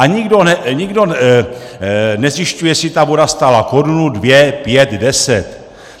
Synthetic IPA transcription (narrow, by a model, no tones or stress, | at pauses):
aɲɪɡdo̞nɛɲiɡdo̞ | nɛzjɪʃcujɛsɪt̪avo̞dast̪alako̞ɾunudvjɛpjɛt̪dɛsɛt̪